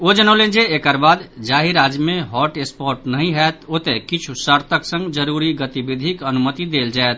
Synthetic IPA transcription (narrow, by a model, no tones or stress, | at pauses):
od͡ʒənəʊlend͡ʒeːkəɾbad̪d͡ʒaɦiɾad͡ʒmeɦɔʈespoɾʈnəɦĩɦɛt̪ot̪ekit͡ʃʰusəɾt̪əksə̃ŋɡd͡ʒəɾuɾiɡət̪ibid̪ʱikənumət̪id̪eld͡ʒaet̪̚